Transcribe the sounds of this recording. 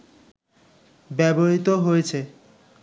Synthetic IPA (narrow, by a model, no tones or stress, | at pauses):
bɛboɦit̪oɦojet͡ɕʰe